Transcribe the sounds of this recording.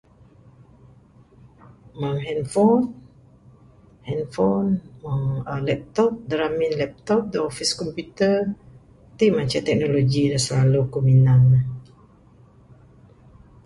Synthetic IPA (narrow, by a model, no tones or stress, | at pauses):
mãŋɦɛnfɔn | hɛnfɔnmaŋəlɛp̚t̪ɔp̚dəɾaminlɛp̚t̪ɔp̚dəɔfiskɔmpjut̪ə | t̪iʔmaɲt͡ʃat̪ɛk̚noloɡinəsəlalukuminan